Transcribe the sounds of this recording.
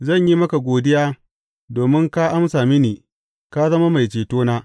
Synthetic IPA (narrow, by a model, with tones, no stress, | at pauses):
zɐ˦˨ɲji˦mɐ˦ka˨ɡʷoː˨dɪ˦jaː˦ | doː˨mɪ˦ŋka˦ʔa˦msaː˨mi˦niː˨ | ka˦zɐ˦ma˦ma˨jt͡ʃeː˨toː˦naː˦